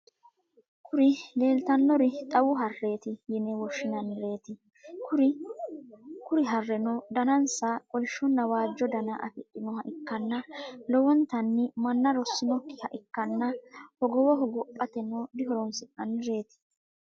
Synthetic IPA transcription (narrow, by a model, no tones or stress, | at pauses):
kʰʊɾɪle̞ːlt̪ɐnːɔɾɪt̪ʼɐwʊɦɐrːe̞ːt̪ɪjɪnɛwɔʃːɪnɐnːɪɾe̞ːt̪ɪ | kʊɾɪ | kʊɾɪɦɐrːɛnɔd̪ɐnɐnsakʼɔlʃːɔnːɐwaːd͡ʒːɔd̪ɐnɐʔɐfɪtʼːɪnɔhɐʔɪkːɐnːɐlɔwɔnt̪ɐnːɪmɐnːɐɾɔsːɪnɔkːɪhɐʔɪkːɐnːɐhɔɡɔwɔɦɔɡɔpʼːɐt̪ɛnɔd̪ɪhɔɾɔnsɪkːɐnːɪɾe̞ːt̪ɪ̥